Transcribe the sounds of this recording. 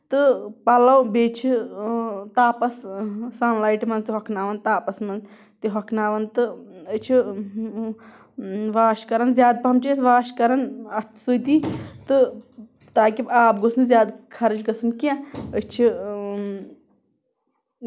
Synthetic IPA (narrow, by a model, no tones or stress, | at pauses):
t̪ɨpɐlɐwbeːt͡ʃʰi | t̪aːpɐssaːnlaːiʈimɐnzt̪iɦɐkʰnaːʋɐnt̪aːpɐsmɐnz | t̪iɦɐkʰnaːʋɐnt̪ɨət͡ʃʰi | ʋaːʃkɐɾɐnzʲjaːd̪̚pɐɦɐmt͡ʃeːsʋaːʃkɐɾɐnɐt̪ʰsut̪it̪ɨ | t̪aːkibaːp̚ɡosnɨzjaːd̪kʰɐɾɐt͡ʃɡɐsɨnkãət͡ʃʰi